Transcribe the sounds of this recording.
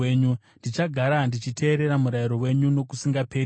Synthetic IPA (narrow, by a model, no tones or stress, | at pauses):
eːɲu | ndit͡ʃaɡʱaɾandit͡ʃitʰe̞ːɾe̞ɾamuɾaiɾo̞we̞ɲuno̞kusiŋɡape̞